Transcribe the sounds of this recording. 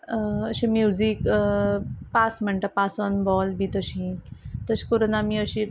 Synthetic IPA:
əɕẽmjud͡zik | pasm̤əɳʈapasɔnbɔlbʱit̪əɕĩt̪əɕi̥koɾonamiəɕi

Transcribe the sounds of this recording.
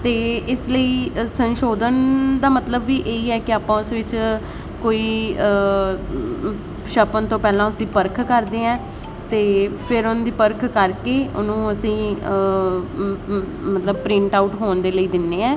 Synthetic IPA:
t̪eːɪsləiːsə̃nʃoːd̪ənd̪aːmət̪ləbːiːʔeːiːɛːkɪaːpãːʊsʋɪt͡ʃ | koːiː | ʃəpənt̪õːpɛːlãːʊsd̪iːpəɾkʰkəɾd̪eːɛ̃ː | t̪eːpʰɪɾʊnd̪iːpəɾkʰkəɾkeːʊ̰nũːəsĩːə | mət̪ləb̚pɾɪ̃ɳʈaːuʈɦoːɳd̪eːləiːd̪ɪnːeːɛ̃ː

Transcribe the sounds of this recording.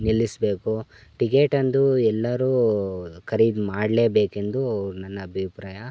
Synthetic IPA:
nilːisbeːkuʈikeːʈɐnd̪uɛlːɐɾuːkʰɐɾid̪maːɽle̞ːbeːke̞nd̪uɐʋɾunɐnːɐːbʱipɾaːjɐ

